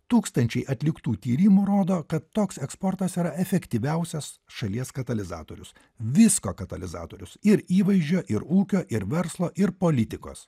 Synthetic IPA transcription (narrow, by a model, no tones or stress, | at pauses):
t̪uːkst̪ɐnʲt͡ʃʲɛɪʔɐt̪ʲlʲɪkt̪uːt̪ʲiːɾʲɪmuːɾoːd̪oːkɐt̪ːoːksɛkspɔɾt̪ɐsiːɾɐɛfʲɛkt̪ʲiʋʲɛʊsʲɛs | ʃɐlʲiɛskɐt̪ɐlʲɪzɑ̰ːt̪oːɾʲʊs | ʋʲɪsko̰ːkɐt̪ɐlʲɪzɑ̰ːt̪oːɾʲʊsɪɾiːʋɐɪʒʲd͡ʒʲoːʔɪɾuːkʲoːʔɪɾʋʲɛɾslˠoːʔɪɾpoːlʲɪt̪ʲɪko̰ːs